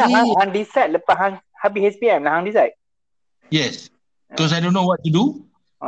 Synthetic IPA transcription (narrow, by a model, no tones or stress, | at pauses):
aɦãhãŋdisat̚ləpaʔɦãŋ | hapihɛspiɛ̃mlahãŋdisajt̚ | jɛs | kɔs̬ajdõnːowɔt̚ːudu